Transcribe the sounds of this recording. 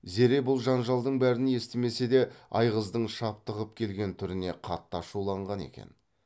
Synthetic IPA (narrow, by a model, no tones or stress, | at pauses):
ze̞ɾe̞bʊlˠʒɑnʒɑlˠd̪əɴbæɾɪnje̞st̪eme̞se̞d̪e̞ɑjʁəzd̪əɴʃɑp̚t̪əʁəp̚kʲʰe̞lɡʲe̞nt̪ʰʏɾɪne̞qʰɑt̪ːɑʃulˠɑɴʁɑne̞̰kʲḛn